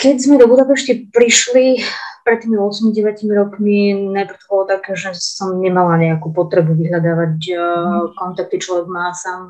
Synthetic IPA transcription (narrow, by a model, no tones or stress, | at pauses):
kɛɟzmɛd̪ɔbud̪apɛʃcipɾiʃlipɾɛt̪ːiːmiɔsmiɟɛʋacimiɾɔkminajpr̩t̪ɔbɔlɔt̪akɛːʒɛsɔmɲɛmalaɲɛakuːpɔt̪ɾɛbuʋiɦʎad̪aːʋac | kɔnt̪ak̚t̪it͡ʃlɔʋɛɡmaːsaːm